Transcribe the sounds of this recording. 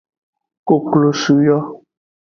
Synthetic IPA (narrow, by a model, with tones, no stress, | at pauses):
ko˨klo˨su˨jɔ˦